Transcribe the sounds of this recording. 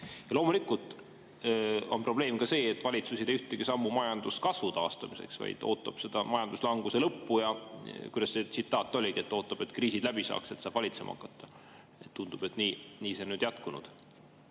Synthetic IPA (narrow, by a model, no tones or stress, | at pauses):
jɑlo̞ːmulikːˑult̪ˑ | o̞̰npro̞ble̞ːmkɑse̞ːet̪ːˑvɑlʲit̪susid̪eyht̪eɡ̥isɑmːumɑjɑnd̪̥uskɑsvut̪ɑːst̪ɑmise̞̰ksvɑ̰jd̪̥o̞ːt̪ːˑɑ̰b̥se̞d̪̥ɑmɑjɑnd̪̥uslɑŋɡuselɤpːujɑkujd̪ɑset̪sit̪ːˑɑːt̪ːˑo̞lʲiɡiet̪ːo̞ːt̪ˑːɑb̥e̞t̪kriːsid̪̥læbisɑ̰ːkse̞t̪sɑːb̥vɑlʲit̪se̞mɑ̰ɑ̰kːˑɑt̪ːˑɑ | et̪ːund̪ub̥e̞t̪niːniːsenyːd̪̥jɑt̪kunṵd̪̥